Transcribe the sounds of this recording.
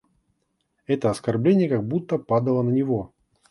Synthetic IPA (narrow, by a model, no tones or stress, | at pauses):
ɛt̪əɐskɐrblʲenʲɪjəkaɡ̚but̪ːəpad̪əlˠənənʲɪvo